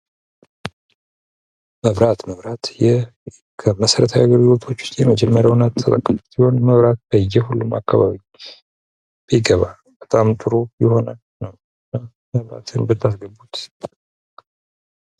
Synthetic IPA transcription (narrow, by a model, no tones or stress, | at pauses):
məβɾat̪məβɾat̪jɛ | kʰəməsəɾət̪ʰajaɡəɾɡilo̞t̪ʰo̞t͡ʃːʊ̥st̪ʼjɛməd͡ʒɛmːəɾjawnat̪ʰːət̪ʼəkʼːəfut̪iho̞nməβɾat̪̚bəjɛhulːuma̰kːaβa̰βi | b̥əjɪɡəβa̰lbət̪ʼamt̪ʼɨɾujɪho̞nal | nəw | ɨna | məβɾa̰t̪ʰɨnbət̪ʰːasɡəbːut̪